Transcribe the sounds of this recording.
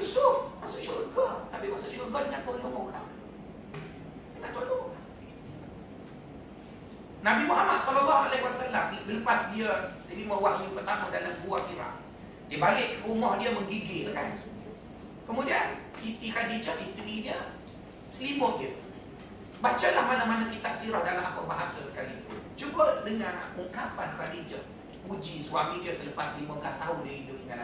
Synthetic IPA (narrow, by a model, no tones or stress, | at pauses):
jusʊfmasʊʔʃoʔəɡənabiʔwasəʃuʔəɡɔnŋat̪onikəmoula̰m | iŋaʔt̪olola | nabimoɦamaʔsəlɔlɔhalawasalamilələpasdiət̪abiməwaʔɲupərt̪amədalamɡuakiɾa̰ʔ | diəbalɪʔkəumɔhdiəməŋɡiɡɪʔ̪kan | kəmũdia̰nsit̪ikadid͡ʒəʔhist̪əɾidiə | səlimʊtdiə | bat͡ʃəlahmanamanak̪it̪aʔsiɾɔhdalamʔapəʔbaɦasəsə̥kalid͡ʒubədəŋan̰ʔuŋkapa̰nkadid͡ʒəʔ | pud͡ʒiswamidiəsələpaslimʊʔlat̪aʊdəidʊʔəŋala